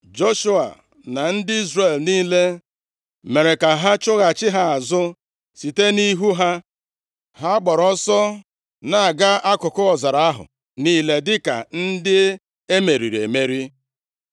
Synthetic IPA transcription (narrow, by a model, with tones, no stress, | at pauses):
d͡ʒo˦ʃu˦a̰˨ | na˨n̩˦dɪ˦i˦zre˨lniː˦le˦ | me˨ɾe˨ka˨ɦa˦t͡ʃʊ˦ɣa˨t͡ʃɪ˦ɦa˦a˨zʊ˦ | si˨te˦ni˦ɦu˦ɦa˦ | ha˦ɡ͡bɔ˨ɾɔ˦sɔ˦ | na˨a˨ɡa˦a˦kʊ˨kʊ˦ɔ˨za˨ɾa˨a˦ɦʊ̰˨ | niː˦le˦dɪ˦ka̰˨n̩˦dɪ˦ | e˦me˨ɾḭ˨ɾḛ˨me˦ɾi˦